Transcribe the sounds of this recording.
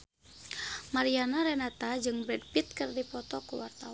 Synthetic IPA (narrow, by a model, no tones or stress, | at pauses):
maɾianaɾɛnat̪ad͡ʒɨŋbɾɛd̚pit̪̚kɨrdipɔt̪ɔkuwart̪aw